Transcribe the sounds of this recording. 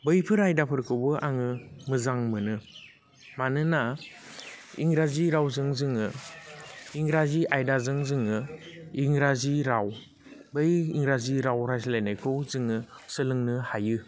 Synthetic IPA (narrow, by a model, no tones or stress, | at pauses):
bɯjpʰɯɾajdapʰɯɾkʰɯwbɯʔaŋɯmɯzaŋmɯnɯ | manɯna | ḭŋɾaziɾawzɯŋzɯŋɯ | iŋɾaziʔajdazɯŋzɯŋɯiŋɾaziɾaw | bɯjiŋɾaziɾawɾajslajnajkʰɯwzɯŋɯsɯlɯŋnɯhajɯ